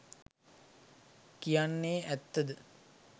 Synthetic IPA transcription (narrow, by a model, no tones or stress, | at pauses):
kijanːeːʔæt̪ːəd̪ə